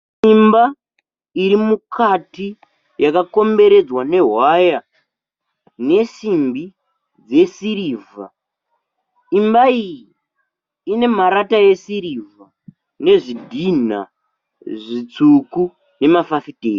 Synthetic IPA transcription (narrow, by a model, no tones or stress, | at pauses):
imba | iɾimukʰati | jakako̞mbe̞ɾe̞d͡zwane̞ɦwaja | ne̞simbi | d͡ze̞siɾiːva̰ | imbaijiː | ne̞maɾataje̞siɾiva | ne̞ʐidʱin̤a̰ | ʐit͡suku | ne̞mafafitḛːri